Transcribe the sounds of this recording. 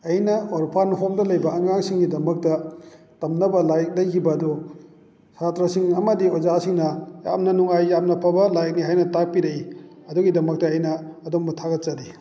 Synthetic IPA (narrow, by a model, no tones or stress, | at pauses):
ɐjnɐoɾpʰanɦomdɐlɐjbɐɐŋaŋsiŋɡidɐmɐk̚tɐ | tɐmnɐbɐlajɐk̚lɐjkʰibɐdu | satɾɐsiŋɐmɐdiozasiŋnɐja̰m̚nɐnɔŋajːam̚nɐpʰɐbɐlajɐk̚niɦajnɐtak̚piɾɐiɐduɡidɐmɐk̚tɐɐjnɐːdomutʰaɡɐt̚t͡ʃɐdi